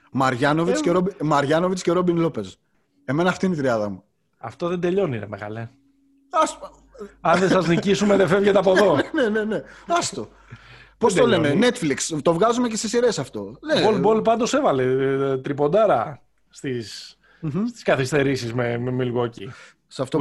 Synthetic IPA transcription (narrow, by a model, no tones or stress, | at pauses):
mɐɾʝɐno̞vit͡sceɾobimɐɾʝɐno̞vit͡sceɾo̞binlo̞pe̞z | e̞me̞nɐːft̪int̪ɾiɐðɐmu | ɐft̪o̞ðend̪e̞ʎo̞ninḛmeɣɐ̰le | ɐs | ɐnðesɐznicisumeðefevʝet̪eɐpo̞ðo̞neneneɐst̪o̞ | po̞solle̞nene̞t̪flikst̪o̞vɣɐzumecest̪isiɾesɐft̪o̞ðebolbo̞lpɐnd̪o̞se̞vɐlet̪ɾipo̞d̪ɐɾɐ | st̪is | st̪i̥skɐθist̪e̞ɾisizmemmilɣo̞cḭ | sɐft̪o